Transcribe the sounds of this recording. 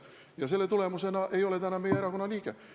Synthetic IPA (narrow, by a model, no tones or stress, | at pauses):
jɑse̞lːe̞t̪ule̞musenɑʔe̞jo̞le̞t̪ænːɑmejeeɾɑkonːɑlʲiːɡ̥e